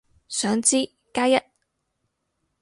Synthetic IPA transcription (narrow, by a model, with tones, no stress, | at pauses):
sœː˨˥ŋt͡siː˥ | kaː˥jɐ˥t̚